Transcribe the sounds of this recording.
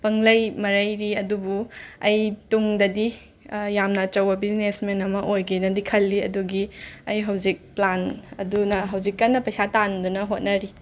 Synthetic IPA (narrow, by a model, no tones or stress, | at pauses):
pɐŋlɐjmɐɾɐjɾiɐdubuɐjtuŋdɐdi | jamnɐt͡ʃɐwɐbiznesmenɐmɐʔojɡinɐdikʰɐlːiɐ̰duɡiɐjɦɐwd͡ʒik̚planɐ̰dunɐɦɐwd͡ʒikːɐnːɐpɐjsatandunɐɦot̚nɐɾi